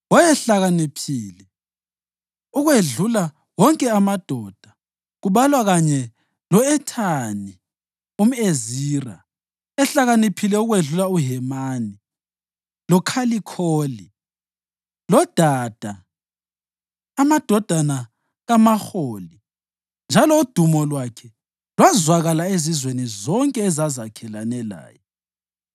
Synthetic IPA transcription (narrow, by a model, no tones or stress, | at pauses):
wɔjɛɬaɣanepʰiːlɛ | uɣweɮula | wɔŋkʼɛamad̥ʱɔːd̥ʱḁ | ɣuβalwaɣaɲɛ | lɔɛtʰani | um̩eziːra̰ | ɛɬaɣanepʰilɛuɣweɮulauɦɛmaːni | lɔkʰalikʰoːli | lɔd̥ʱaːd̥ʱa | mad̥ʱɔd̥ʱana | ɣamaxoːli | nd͡ʒʱalɔud̥ʱumɔlwakʰɛ | lwazwaɣalaezizwenizɔŋkʼɛːzazakʰɛlanɛla̰ːjɔ